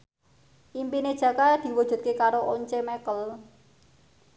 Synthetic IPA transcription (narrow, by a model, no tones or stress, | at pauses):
ʔimpined̥ʒ̥ä̤kad̪̥i̤wɔd̥ʒ̥ṳt̪̚kekaɾoʔɔɲt͡ʃemɛkəl